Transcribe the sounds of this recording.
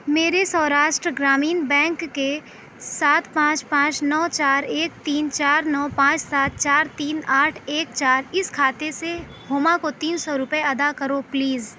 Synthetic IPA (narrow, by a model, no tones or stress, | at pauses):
meːɾesɔːɾaːʃʈɾəɡɾaːmiːnbɛ̃ːŋkːe | saːt̪ʰpãːt͡ʃpãːt͡ʃnɔːt͡ʃaːɾeːk̚t̪iːnt͡ʃaːɾnɔːpãːt͡ʃsaːt̪̚t͡ʃaːɾt̪iːnaːʈʰeːk̚t͡ʃaːɾɪskʰaːt̪ese | ɦoːmakot̪iːnsɔɾʊpeɐd̪akɐɾopliːz